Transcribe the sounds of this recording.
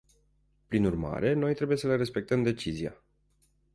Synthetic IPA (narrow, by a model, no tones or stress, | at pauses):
pɾinurma̰ɾʔe̞no̞jt̪ɾe̞buje̞səleɾe̞spe̞k̚t̪əmd̪e̞t͡ʃizia̰